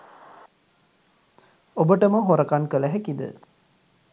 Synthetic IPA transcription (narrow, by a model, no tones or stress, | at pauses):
obəʈəməɦoɾɐkankələɦækid̪ə̰